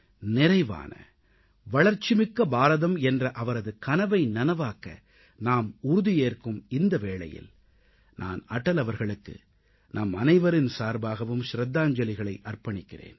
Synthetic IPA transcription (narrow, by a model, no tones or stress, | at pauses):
nɪrɐɪʋa̰ːnɐ̰ | ʋɐɭɐɾt͡ʃːɪmɪkːɐbaːɾɐðɐmɛndrɐʔɐʋɐɾɐðɯkɐnɐʋɐɪnɐnɐʋaːkɐ̰ | naːmʊɾʊðijeːrkɯmɪnd̪ɐʋeːɭɐ̰jɪ̰l | nʔa̰ːnɐʈːɐlɐʋɐɾɣɐɭɯkːɯ̰ | nʔaːmɐnɐɪʋɐɾɪnsaːɾbaːɣɐʋɯmʃɾɐd̪ːaːɲd͡ʒɐlɪɣɐɭɐɪʔɐrpɐɳɪkːɪrḛːn